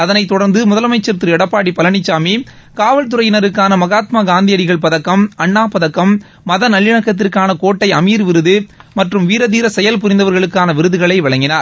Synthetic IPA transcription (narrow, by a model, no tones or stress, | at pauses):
ɐðɐnɐɪt̪ːɔɽɐɾnd̪ɯmʊðɐlɐmɐɪt͡ʃːɐɾt̪ɾɯɛɽɐpːaːɽipɐlɐɳɪt͡ʃːaːmi | kaːʋɐɭt̪ɯɾɐjɪnɐɾɯkːaːnɐmɐɣaːt̪maːɡaːnd̪ɪjɐɽɪɣɐɭpɐðɐkːɐmɐɳːaːpɐðɐkːɐmː | ɐðɐnɐlːɪɳɐkːɐt̪̬ːɪrkaːnɐkoːʈːɐɪɐmiːɾʋɪɾɯðɯmɐʈrɯmʋiːɾɐðiːɾɐsɛjɐlp̬ʊɾɪnd̪ɐʋɐɾɣɐɭɯkːaːnɐʋɪɾɯðɯɣɐɭɐɪʋɐɭɐŋɡɪnaːɾ